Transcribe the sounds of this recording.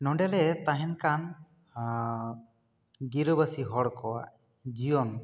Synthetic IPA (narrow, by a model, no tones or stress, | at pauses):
nɔɳɖɛlɛt̪aɦɛnkan | ɡiɾɔbəsiɦɔɽkɔwaʔ | d͡ʒijɔn